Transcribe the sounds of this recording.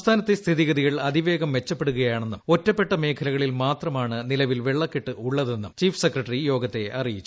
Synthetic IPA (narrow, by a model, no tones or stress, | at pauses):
mst̪ʰaːnɐt̪ːest̪ʰiðiɣɐðiɣɐɭɐd̪iʋe̞ːɡɐmʋe̞t͡ɕːɐpːeɽuɣɐjaːɳe̞nːumo̞tːɐpːe̞ʈːɐme̞ːkʰɐlɐɣɐɭilmaːt̪rɐmaːɳɨnilɐʋilʋeɭːɐkːiʈːɨuɭːɐðe̞nːumt͡ɕiːfsekrɐʈɐrijo̞ːɡɐt̪ːe̞ɐrijit͡ɕːu